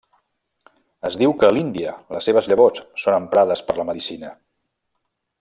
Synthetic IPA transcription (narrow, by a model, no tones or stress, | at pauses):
əzðiwkəːlind̪iələsːeβ̞əzʎəβot͡ssonəmpɾaðəspəɾləməðisinə